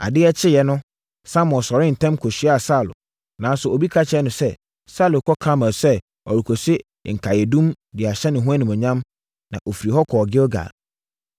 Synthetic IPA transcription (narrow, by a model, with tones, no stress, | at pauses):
a̰˨dɪ˦ɛ˦t͡ɕʰɪ˦jɛ˨nʊ̃˦ | sã˦mɔ̃˨sɔ˨ɾɪ̃˦n̩˨tʰɛ̃˦mkʰo˨sɥa˨sa˦˨lʊ̰˨ | nã˨n˦sʊ˨o˨bi˦kʰa˦t͡ɕʰɪ˨ɛ˦nʊ̃˨sɛ˦ | sa˦˨lʊ˨kʰɔ˦kʰa˦mã˨sɛ˦ | ɔ̰˨ɾu˨kʰo˨sɪ˦˨ | ŋ̩˨kʰa˨jɛ˨dũ˦m | dɪ˨a˨ɕɛ˦nɪ̃˨ɦũ˦a˦nɪ̃˨mʊ̃˨ɲã˦m | nã̰˨ʔo˨fi˨ɾi˨ɦɔ˦kʰɔ˨ɡɪ˦ɔ˦ɡa̰˨